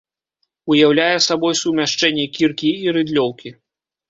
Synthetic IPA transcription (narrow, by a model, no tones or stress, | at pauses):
ujawlʲajɛsabɔjsumʲaʂt͡ʂɛnʲːɛkʲirkʲiːɾɨd̪lʲɔwkʲi